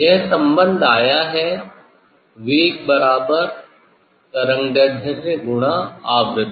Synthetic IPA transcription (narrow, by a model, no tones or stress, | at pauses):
jeɦsɐ̃mbə̃nd̪ʱaːjaɦɛ | ʋiːk̚bɐɾaːbəɾ | t̪ɐɾə̃ŋɖɐɖ̪ʱɐɾəɡʊɽ̃aaːʋɾɪd̪ʱ